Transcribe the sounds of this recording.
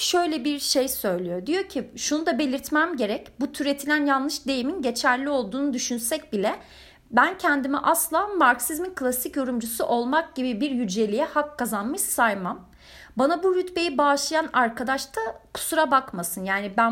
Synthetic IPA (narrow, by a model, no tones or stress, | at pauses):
ʃøjlʲɛbiɾʃejsø̞jlʲijo̞d̪ijo̞ɾcʰiʃunud̪abe̞lʲiɾt̪mæmɟe̞ɾɛcbut̪ʰyɾe̞t̪ʰilʲænjanlˠɯʃd̪e̞jiminɟe̞t͡ʃʰæɾlʲio̞lˠd̪uːnud̪yʃynsɛc̚bilʲɛ | bæncʰɛnd̪imiʔaslˠaːmaɾksizminkʰlˠasicjo̞ɾumd͡ʒusuʔo̞lˠmak̚ɟibibiɾjyd͡ʒe̞lʲijɛhakʰːazanmɯʃsajmam | banabuɾyt̪be̞jibaʃlˠajanaɾkʰad̪aʃt̪ʰakʰu̥suɾabakmasɯnjaːnibæn